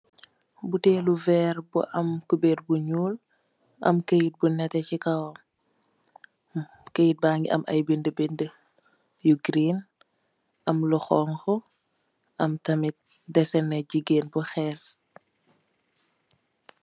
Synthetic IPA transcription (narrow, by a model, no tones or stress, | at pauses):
butɛːluvɛːrbṵʔɐmkubeːt̚buɲuːl | ʔɐ̰mkəjit̚bunɛtɛcikɐw | kəjit̚baːŋɡḭʔɐ̰mʔɐ̰jbindəbində | juɡɾin | ʔɐmluxɔːŋxɔ | ʔɐmtɐmit̚ | dɛsɛnːɛɟiɡeːnbuxɛːs